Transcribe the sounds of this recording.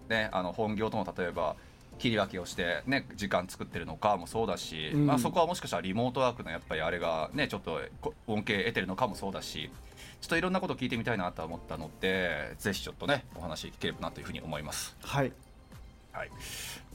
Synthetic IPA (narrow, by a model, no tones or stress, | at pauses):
ne̞a̰no̞hõ̞ŋɡʲo̞ːt̪o̞mot̪at̪o̞e̞ba̰ | kʲiɾʲiβakʲio̞ɕi̥t̪e̞ne̞d͡ʑikãnt͡sɨ̥kɯ̟t̪ːe̞ɾɯ̟no̞kamo̞so̞ːd̪aɕimaso̞ko̞β̞amo̞ɕi̥kaɕt̪aɾʲimo̞ːt̪o̞βaːkɯ̟nojapːaɾʲiaɾe̞ɡane̞t͡ɕo̞t̪ːokoõ̞ŋke̞ːe̞t̪e̞ɾɯ̟no̞kamo̞so̞ːd̪aɕḭ | t͡ɕo̥t̪ːo̞iɾõ̞nːako̞t̪okʲiːt̪emʲit̪ainat̪o̞amo̞t̪ːano̞d̪e̞ze̞çi̥t͡ɕo̞t̪ːo̞ne̞o̞hanaɕiokʲi̥keɾe̞banat̪ojɯ̟ɸɯ̟ɲ̟io̞mo̞imasɨ̥hai | ha̰i